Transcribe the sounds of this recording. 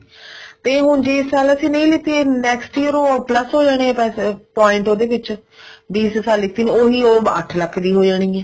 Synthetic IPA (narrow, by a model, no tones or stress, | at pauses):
t̪eːɦʊnd͡ʒeːɪsaːləsĩːnə̃ĩːlɪt̪iːenɛːksʈiːəɾoːpləsɦoːd͡ʒaːɽ̃eɛ̃ːpɛːpɔːɪ̃ɳʈoːd̪eːʋɪt͡ʃ | biːssaːlːɪt̪iːneoːɦiːoːə̰ʈʰləkʰːd̪iːɦoːd͡ʒaːɽ̃iːɛː